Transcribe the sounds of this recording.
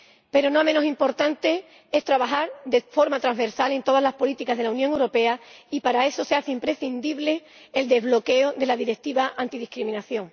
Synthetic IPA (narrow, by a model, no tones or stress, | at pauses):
pe̞ɾo̞noamenosimpo̞ɾt̪ant̪e̞ | e̞st̪ɾaβaxaɾd̪e̞fo̞ɾmat̪ɾaŋzβe̞ɾsale̞nt̪o̞ð̞azlaspo̞lit̪ikazð̞e̞launjoŋewɾo̞pe̞aipaɾae̞so̞se̞aθeimpɾe̞θind̪iβle̞ː | ld̪e̞zβlo̞ke̞oðe̞laðiɾe̞k̚t̪iβaʔant̪iðihkɾimĩnaθjo̞ŋ